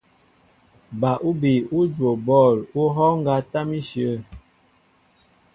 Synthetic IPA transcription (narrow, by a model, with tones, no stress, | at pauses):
ba˨ʔu˦bi˨u˦d͡ʒo˨bɔ˦˨lu˦ɦɔ˦ŋ˦ɡa˦ta˦mi˦ʃjə˨˦˨